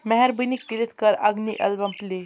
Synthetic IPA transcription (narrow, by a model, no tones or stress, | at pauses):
mɛɦɛɾbunikːiɾit̪kəɾa̰ɡniʔə̰lbãmple